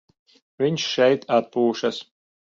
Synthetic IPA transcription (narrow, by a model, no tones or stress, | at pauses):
vʲiɲsʃɛjt̪ʰat̪̚puːʃɐs